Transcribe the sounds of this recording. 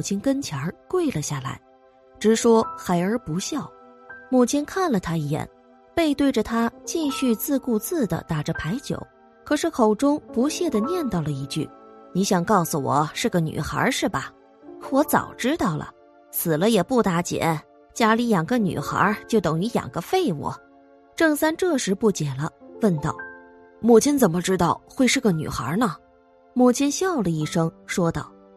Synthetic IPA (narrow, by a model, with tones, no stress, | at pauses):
t͡ɕʰi˥nkə˥nt͡ɕʰjɑ˧˥kwe˥˩ɪlə˩ɕja˥˩la̰˧˥ɪ | ʈ͡ʂɻ̩˧˥ʂwɔ˥xa˧˥ɪə˞˧˥pu˧˥ɕjɑ˥˩ʊ | mu˥˩t͡ɕʰi˥nkʰa˥˩nlə˩t̪ʰa˥i˧˩jɛ̰˨˩n | pe˥˧ɪt̪we˥˩ɪʈ͡ʂə˩t̪ʰa˥t͡ɕi˥˧ɕy˥˧t͡sɹ̩˥˧ku˥˧t͡sɹ̩˥˩d̪ə̰˩t̪a˨˩ʈ͡ʂə˧˦pʰa˧˥ɪt͡ɕjo̰˨˩˦ʊ | kʰɤ˨˩ʂɻ̩˥˩kʰo˨˩ʊʈ͡ʂʊ˥ŋpu˧˥ɕjɛ˥˩d̪ə˩njɛ˥˧nt̪ɑ˥˩ʊlə˩i˧˥t͡ɕy̰˥˩ni˧˥ɕjɑ˨˩ŋkɑ˥˩ʊsu˨˩wɔ̰˨˩˦ʂɻ̩˥˩ɡə˩ny̰˨˩xa̰˧˥ʂɻ̩˥˩bɐ˩ | wɔ˧˥t͡sɑ̰˨˩ʊʈ͡ʂɻ̩˥t̪ɑ˥˩ʊlʔə̰˩ | sɹ̩˨˩lə˦jɛ˨˩pu˥˩t̪a˧˥t͡ɕjɛ̰˧˥˦ | t͡ɕja˥li˧˥jɑ˨˩ŋɡə˧ny̰˨˩xə̰˞˧˥t͡ɕjo˥˩ʊt̪ɤ˨˩ŋy˧˥jɑ̰˨˩ŋɡə˧˦fe˥˧ɪwṵ˨˩˦ | ʈ͡ʂɤ˥˩ŋsa˥nʈ͡ʂɤ˥˩ʂɻ̩˧˥pu˥˩t͡ɕjɛ˨˩lə̰˦wə˥˧nt̪ɑ˥˩ʊ | mu˥˩t͡ɕʰi˥nt͡sə˨˩nmə˦ʈ͡ʂɻ̩˥t̪ɑ˥˧ʊxwe˥˧ɪʂɻ̩˥˩ɡə˩ny̰˨˩xə̰˧˥nə˨ | mu˥˩t͡ɕʰi˥nɕjɑ˥˩ʊlə˩i˥˩ʂɤ˥ŋʂwɔ˥t̪ɑ˥˩ʊ